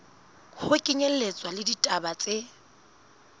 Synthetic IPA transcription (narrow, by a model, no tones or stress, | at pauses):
hʊkʼɪɲel̩let͡sʼwalɪditʼabat͡sʼe